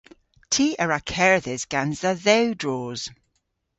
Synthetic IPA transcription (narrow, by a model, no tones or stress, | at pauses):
tʰiːʔəɹakʰɛɹðɪzɡ̥anzəðɛwdɹɔːz̥